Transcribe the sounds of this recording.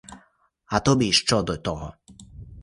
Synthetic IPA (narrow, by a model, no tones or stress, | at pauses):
ɐt̪ɔbʲiʃt͡ʃɔd̪ɔt̪ɔɦɔ